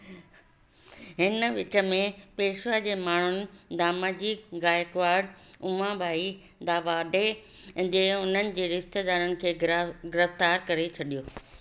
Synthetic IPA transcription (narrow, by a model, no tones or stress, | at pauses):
ɦɪnəʋɪt͡ɕə̆mẽpeːʃʋad͡ʑeːmaːɳ̤ʊnɪ̆d̪aːmad͡ʑikɡaːjkʋaːɖʊ̃mãbʱaːi | d̪aːʋaːɖe | d͡ʑeːʊn̤ənɪ̆d͡ʑeːɾɪst̪ed̪aːɾənɪ̆kʰeːɡɪɾəft̪aːɾkɐɾet͡ɕʰɐɗijoː